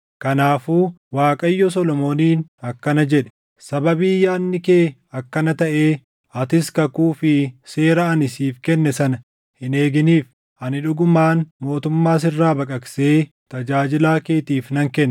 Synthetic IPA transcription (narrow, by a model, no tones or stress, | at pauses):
kɐnaːfuːwaːkʼɐjːɔs̬ɔlɔmo̞ːniːnɐkːɐnɐd͡ʒɛᶑɛ̥ | sɐbɐbɪːjːaːnːɪkeːɐkːɐnɐt̪ɐʔe̞ː | ɐt̪ɪskɐkuːfɪse̞ːɾɐɐnɪsiːfkɛnːɛsɐnɐ | hɪne̞ːɡɪniːf | ʔɐnɪᶑʊɡʊmaːnmo̞ːt̪ʊmːaːs̬ɪrːaːbɐkʼɐkseː | t̪ɐd͡ʒaːd͡ʒɪlaːkeːt̪iːfnɐŋkɛnː